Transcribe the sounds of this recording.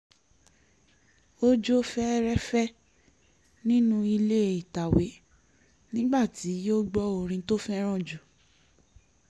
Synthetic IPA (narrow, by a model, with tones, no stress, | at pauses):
o˦d͡ʒo˦fɛ˦ɾɛ˦fɛ˦ | nĩ˦nũ˦i˧le˦˨i˨ta˨we˨˦ | nĩ˦ɡ͡ba˦˨ti˨˦jo˦ɡ͡bɔ˧o˧˨ɾ̃ĩ˧to˦fɛ˦ɾ̃ɔ̃˦˨d͡ʒu˨